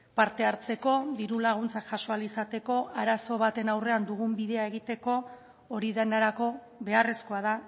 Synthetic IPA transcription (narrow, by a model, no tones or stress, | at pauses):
paɾt̪e̞aɾt͡se̞ko̞ðiɾulaɣ̞unt͡sakʝaʃo̞alisat̪e̞ko̞ʔaɾaso̞β̞at̪e̞nawre̞and̪uɣumbiðe̞aeɣ̞it̪e̞ko̞ː | ɾiðenaɾako̞ | βe̞are̞sko̞að̞a